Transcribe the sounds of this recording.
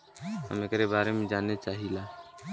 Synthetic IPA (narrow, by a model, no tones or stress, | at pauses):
ɦə̰mekɾebaɾemẽd͡ʒanet͡ʃaɦila